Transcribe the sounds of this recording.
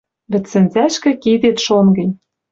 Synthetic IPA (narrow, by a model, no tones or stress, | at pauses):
βɘ̆t͡sːɘ̆nzæʃkɘ̆kid̪et̪ʃonɡɘ̆nʲ